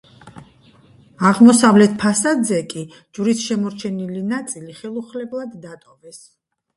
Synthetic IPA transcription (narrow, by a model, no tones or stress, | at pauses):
aʁmɔsavlɛt̪ʰpʰasad̪zɛkʼi | d͡ʒuɾisʃɛmɔɾt͡ʃʰɛnilinat̪sʼiliχɛlˠuχlɛblˠad̪ːat̪ʼɔvɛs